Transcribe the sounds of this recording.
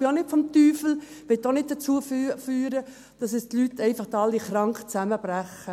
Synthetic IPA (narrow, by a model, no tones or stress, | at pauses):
ɪonɪtfɔmt̪yːfl̩ | ʋɪt̪ːonɪd̚d̥ət͡suəfyːɾə | d̥ɑsɛstlytʰːɛɪfɑχdɑlːiχrɑŋkχt͡sæməb̥ræχːə